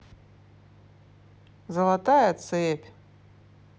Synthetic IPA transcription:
zɐlˠat̪ajat͡sʰɨepʲ

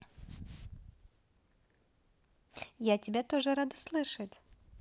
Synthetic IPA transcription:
jatʲɪbʲat̪o̞ʐɨɾad̪ɨslˠɨʂətʲ

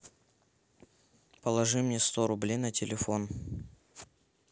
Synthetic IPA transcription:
pəlˠɐʐɨmnʲest̪oɾʊblʲejnətʲɪlʲɪfo̞n

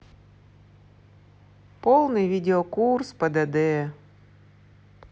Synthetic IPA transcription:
polˠnɨjʋʲidʲɪɔkurspɐd̪ɐd̪ɛ

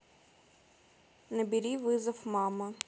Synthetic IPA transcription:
nɐbʲiɾʲiʋɪzɐfmɑmɐ

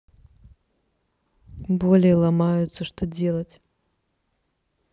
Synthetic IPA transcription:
bolʲejɛlˠamajʊt̪səʂt̪od͡zʲelˠət͡sʲ

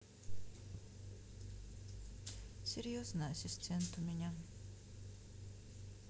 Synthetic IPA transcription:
seɾijosnaːɕist̪ʰẽnt̪omʲiɲaŋ

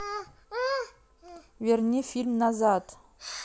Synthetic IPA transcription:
veɾnʲifilmnazat̪

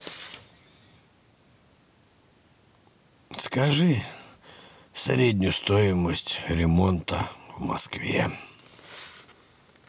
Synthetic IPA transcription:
skɐʐɨ | sɾʲed̪ʲnʲʊst̪ojɪməsʲtʲɾʲɪmont̪əvmɐ̰skvʲeɛ̰

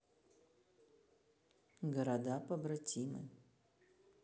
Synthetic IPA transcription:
ɡɐɾad̪apɐbɾatʲimɨ̰

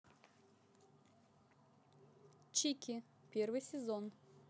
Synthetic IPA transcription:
t͡ɕikʲi | pʲervɨjsʲɪzon

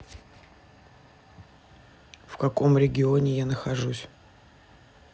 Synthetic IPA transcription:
fkɐko̞mɾʲɪɡʲɪonʲɪjanəxɐʐusʲ

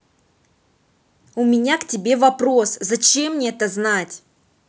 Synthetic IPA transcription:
ʊmʲɪnʲaktʲɪbʲe̞vɐpɾo̞szɐt͡ɕe̞mnʲiɛt̪əznatʲ

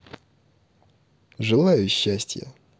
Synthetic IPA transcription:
ʐɨlˠajʊɕːæsʲtʲjə̰

